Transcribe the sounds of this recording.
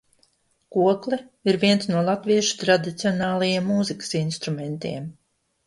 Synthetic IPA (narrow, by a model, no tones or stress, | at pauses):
kuɔklˠɛ | iɾviɛnt̪snuɔlˠat̪viɛʃu̥t̪ɾad̪it̪siɔnɑːlˠajiɛmːuːzikə̥sinst̪ɾumɛnt̪iɛm